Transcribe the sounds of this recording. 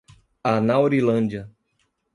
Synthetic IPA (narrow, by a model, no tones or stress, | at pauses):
anawɾilɐ̃nd͡ʒiɐ